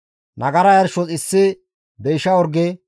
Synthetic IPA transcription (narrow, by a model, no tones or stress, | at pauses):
nɐɡɐɾɐjɐɾʃɔt͡sʼɪsːɪ | d̪ɛjʃɐɔɾɡɛ